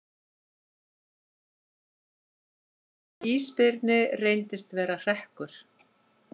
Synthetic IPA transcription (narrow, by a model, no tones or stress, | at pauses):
iːspɪɾt̪nɪreːjnt̪ɪst̪vɛːɾar̥ɛhkʏɾ̥